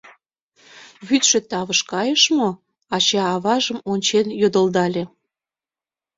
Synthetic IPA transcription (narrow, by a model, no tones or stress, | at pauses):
βyt̪ʃĕt̪ɑβəʃkɑjəʃmo | ɑt͡ɕɑːβɑʒəmonʲt͡ɕenjod̪əld̪ɑlʲe